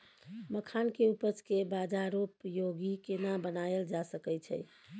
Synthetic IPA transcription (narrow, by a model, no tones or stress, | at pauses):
məkʰankeupət͡ʃkebad͡ʒaɾopjoɡikenabənaeld͡ʒasəkɛt͡ʃʰɛ̰j